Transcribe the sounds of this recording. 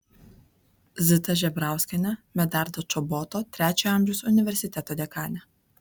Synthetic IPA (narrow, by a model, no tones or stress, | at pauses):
zʲɪt̪ɐʒʲɛbɾɑˑʊsʲkʲɛnʲɛmʲɛd̪ɑˑɾd̪ot͡ʃɔbɔːt̪oːt̪ʲɾʲæːt͡ʃʲɛɑˑmʲʒʲɛʊsʊnʲɪʋʲɛɾʲsʲɪt̪ʲɛt̪oːd̪ʲɛkɑːnʲɛ